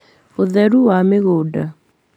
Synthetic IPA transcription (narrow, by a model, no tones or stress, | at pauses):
oðɛɾuwameɣoːda